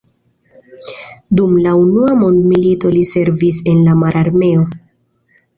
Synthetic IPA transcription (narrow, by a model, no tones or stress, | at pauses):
dumlaunuamo̞ndmilito̞lise̞ɾvise̞nlamaɾʔaɾme̞o̞